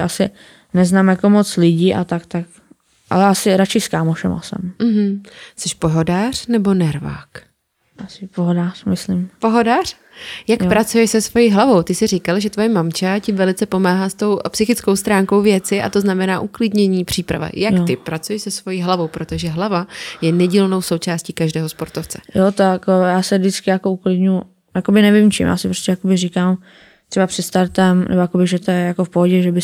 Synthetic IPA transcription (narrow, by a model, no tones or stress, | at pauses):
ʔasɪ | nɛznaːmjakomot͡slɪɟiːʔa̰t̪ak̚t̪ak | ʔa̰lɛʔasɪɾat͡ʃɪskaːmoʃɛma̰sɛ̰mm̩ɦm̩sɛʃpoɦo̞daːr̝̥nɛbo̞nɛɾva̰ːk | ʔasɪpoɦodaːr̥mɪslimpoɦodaːr̥ | jakpɾat͡sujɛʃsɛsvo̞jiːɦlavo̞wt̪ɪsɪriːkalʒɛt̪vojɛmamt͡ʃacɪvɛlɪt͡sɛpo̞maːɦast̪o̞wpsɪxɪt͡sko̞wst̪ɾaːŋkowvjɛt͡sɪʔa̰t̪o̞znamɛnaːʔuklɪdɲɛɲiːpr̝̥iːpɾa̰va̰jakt̪ɪpɾat͡sujɛʃsɛsvo̞jiːɦlavo̞wpɾot̪o̞ʒɛɦlavajɛnɛɟiːlno̞wso̞wt͡ʃaːsciːkaʒdɛːɦospo̞ɾt̪oft͡sɛ̥jot̪aakojaːsɛdɪt͡skɪjakouklɪdɲuu | jakobɪnɛvɪmt͡ʃḭmja̰ːsɪpɾoscɛjakobɪrikaːm | t̪r̥ɛbapr̥ɪt̪st̪aɾt̪ɛmnʔɛ̰bojakobɪʒɛt̪ojɛjakofpoɦoɟɛʒɛbɪ